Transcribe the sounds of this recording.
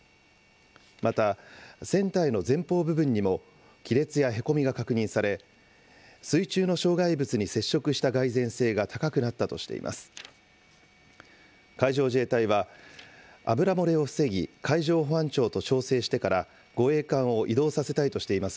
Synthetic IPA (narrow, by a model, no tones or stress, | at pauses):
mat̪asẽ̞nt̪aino̞zẽ̞mpo̞ːbɯ̟bɯ̟̃ɲ̟ːimo̞ | kʲiɾe̞t͡sɨjaɦe̞ko̞mʲiɡakakɯ̟ɲ̟ĩɰ̃saɾe̞ | sɨit͡ɕɨːno̞ɕo̞ːɡaibɯt͡sɨɲ̟ise̞ɕːo̞kɯ̟ɕi̥t̪aɡaizẽ̞ɰ̃se̞ːɡat̪ʰakakɯ̟nat̪ːat̪o̞̰ɕi̥t̪e̞̰ḭmʔa̰sɨ̥ | kaiʑo̞ːʑe̞ːt̪aiβa | a̰bɯ̟ɾamo̞ɾe̞o̞ɸɯ̟se̞ɡʲikʰaiʑo̞ːɦoãɲt͡ɕo̞ːt̪o̞t͡ɕo̞ːse̞ːɕi̥t̪e̞kaɾa | ɡ̥o̞e̞ːkãɰ̃o̞ʔid̪o̞ːsase̞t̪ait̪o̞ɕi̥t̪e̞imasɨ̥